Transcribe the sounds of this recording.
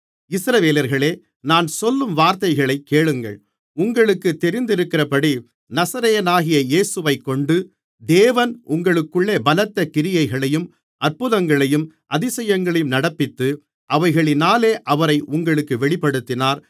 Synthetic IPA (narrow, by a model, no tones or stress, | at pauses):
ɪsɾɐʋeːlɐɾɣɐɭeː | naːnsɔlːɯmʋaːɾt̪ɐɪɣɐɭɐɪkːeːɭɯŋɡɐ̰ɭ | ʊŋɡɐɭɯkːɯt̪ːɛɾɪnd̪ɪɾɯkːɪrɐpɐɽi | nɐsɐɾɐjɐnaːɣɪjɐjeːsɯʋɐɪkːɔɳɖɯ | d̪eːʋɐnʔʊŋɡɐɭɯkːɯɭːeːbɐlɐt̪ːɐkːɪɾɪjɐɪɣɐɭɐjɯm | ʔɐɾpʊðɐŋɡɐɭɐjɯmʔɐðɪsɐjɐŋɡɐɭɐjɯmnɐɽɐpːɪt̪ːɯ | ʔɐʋɐɪɣɐɭɪnaːleːʔɐʋɐɾɐɪʔʊŋɡɐɭɯkːɯʋɛɭɪpːɐɽɯt̪ːɪnaːɾ